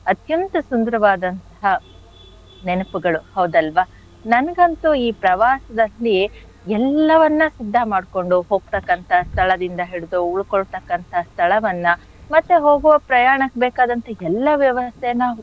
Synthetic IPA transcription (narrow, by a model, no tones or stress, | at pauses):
ɐt̪jɐnt̪ɐsund̪ɐɾɐʋaːd̪ɐnt̪ɐ̥ɦɐ | nenɐpuɡɐɭuhɐwd̪ɐlʋaː | nɐnɐɡɐnt̪uiːpɾɐʋaːsɐd̪ɐlːi | ɛlːɐʋɐnːɐsid̪ʱːɐmaːɖko̞ɳɖuɦo̞ːɡ̚t̪ɐkːɐnt̪ʰɐst̪ʰɐɭɐd̪ind̪ɐɦiɽud̪uuɭkoɭt̪ɐkːɐnt̪ʰɐst̪ʰɐɭɐʋɐnːɐ | mɐt̪ːeɦoːɡuʋɐpɾɐjaːɳɐkbeːkaːd̪ɐnt̪ʰɐɛlːɐʋjɐʋɐst̪ʰɛnaː